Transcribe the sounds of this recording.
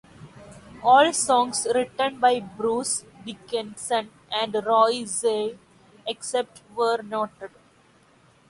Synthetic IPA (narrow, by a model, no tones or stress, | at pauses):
ɔːlsɔ̃ːŋɡsɾɪʈə̃nbaɪbɾuːs | ɖɪkɪ̃nsə̃n | ʔæ̃ɳɖɾɔːɪzeː | eksep̚ʈʋəɾnɔːʈəɖ